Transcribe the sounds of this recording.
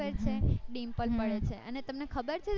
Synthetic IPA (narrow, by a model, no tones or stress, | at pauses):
əɾt͡ʃʰeɖĩmpəlpəɭet͡ʃʰeənet̪əmnekʰəbəɾt͡ʃʰe